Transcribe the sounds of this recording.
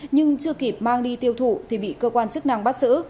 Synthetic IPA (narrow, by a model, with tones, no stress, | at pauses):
ɲɨ˧ŋt͡ɕɨ˧əki˨˩p̚maː˧ŋɗi˧t̪i˧əwt̪ʰu˧˩˨t̪ʰi˨˩ɓḭ˧˨kəː˧kwaː˧nt͡ɕɨ˦˥k̚na̰˧˨ŋɓa˦˥t̚zɨ̰˧˥